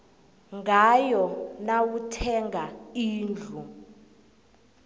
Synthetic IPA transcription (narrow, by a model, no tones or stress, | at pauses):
ŋɡajɔnawutʰɛŋɡaiːnd͡ɮʱu